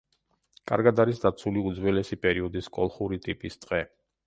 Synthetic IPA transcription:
kʼa̰ɾɡad̪aɾisd̪at̪sʰuliud̪zwɛlɛsipʼɛɾiɔd̪iskʼɔlˠχuɾit̪ʼipʼist̪ʼqʼɛ

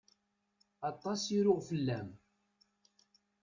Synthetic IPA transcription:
ɑt̪ˤːɑsiɾʊʁfəlːæm

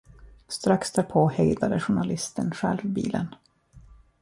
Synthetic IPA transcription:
st̪ɾaksd̪æːɾpʰoːhɛjd̪ad̪əɧʊɳalɪst̪ənɧɛ̰lvbḭːlə̰n

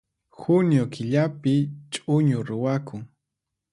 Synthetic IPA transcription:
xʊnjokʰɪʎapɪt͡ʃʼʊɲʊɾʊwakʰʊŋ

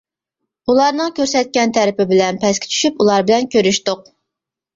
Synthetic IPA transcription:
ulˠɑɾnɨŋkʲøɾsɛt̪̚kʲɛnt̪ʰæɾɪpɪbɪlɛnpʰɛskʲʰɪ̥t͡ʃʰy̥ʃypulˠɑɾbɪlɛnkʲøɾyʃt̪ʊq̚

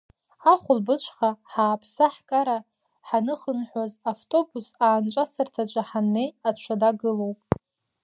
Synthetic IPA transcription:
aχʷʊlbɨt͡ʃʷʰʼχaħaːpʰsaħkʼaɾa | ħanɨχənħazaftʼo̞busaːnt͡ʃʷʼasɨrtʰat͡ʃʷʼaħanːe̞jat͡ʃʷʰadaɡɨlo̞wpʼ

